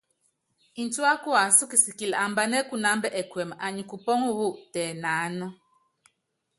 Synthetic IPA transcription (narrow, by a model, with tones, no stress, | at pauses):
i˨n˨tu˦a˦ku˦a˨su˦ki˨si˨ki˨la˨mba˦nɛ˦ku˦na˨˦mbɛ˦ʔɛ˨kwɛ˨ma˨ɲi˨ku˨pɔ˦ŋu˦wu˦tɛː˨na˨˦nɔ˦